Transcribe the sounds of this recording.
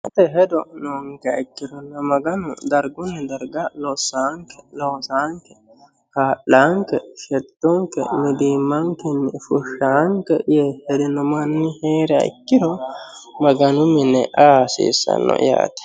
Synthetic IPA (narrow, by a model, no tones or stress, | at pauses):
ʔɛt̪ɛɦɛd̪ɔnoːŋkɛɐ̰jkːɪdɔnːɐmɐɡɐnʊd̪ɐɾɡʊnːɛd̪ɐɾɡalosːaːŋkɛ̥loːsaːŋkːɛ̥ | kaːʔaŋkɛʃɛt̪ːɔŋkɛ̰mɪd̪iːmːɐŋkɛnːɛfʊʃːaŋkɛjɛhɛd̪ɪnɔmɐnːɪheːɾɛɐ̰kːɪɾɔmɐɡɐnʊmɪnːɛʔaːsḭːsːɐ̰nːɔ̰ja̰ːt̪ɪ̥